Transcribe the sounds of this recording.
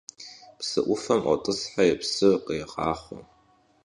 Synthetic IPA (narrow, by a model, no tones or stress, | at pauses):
psɨʔʷʊfɐmʔɔ̰tʼɨsħajɛpsɨqəjqɑ̰ːχʷʊ̰m